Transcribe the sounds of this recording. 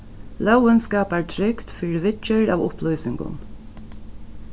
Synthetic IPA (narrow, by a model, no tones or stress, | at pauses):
lœwənskaːpæɹt̪ʰɾɪkt̪fiːɹɪʋɪt͡ʃːəɹa̰vʊ̰plɔjsɪŋɡʊ̰n